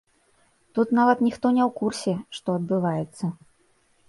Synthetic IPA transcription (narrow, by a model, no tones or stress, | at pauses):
t̪ut̪navɐt̪nʲixt̪ɔnʲɛwkursʲɛʂt̪ɔɐd̪bɨvajɛt̪sːɐ